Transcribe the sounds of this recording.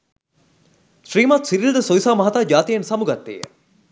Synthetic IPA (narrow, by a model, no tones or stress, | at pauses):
ʃriːmat̪siɾild̪əsoisaːmɐɦat̪aːd͡ʒaːt̪ijensɐmuɡɐt̪ːḛjə̰